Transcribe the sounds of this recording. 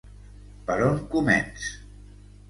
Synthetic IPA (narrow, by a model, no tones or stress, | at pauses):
pəɾoŋkumɛ̰ns